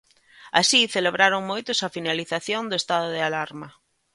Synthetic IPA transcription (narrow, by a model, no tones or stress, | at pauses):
a̰siθeleβɾaɾoŋmojt̪ʊsɐfinaliθaθjond̪oest̪aðʊðɪalaɾmɐ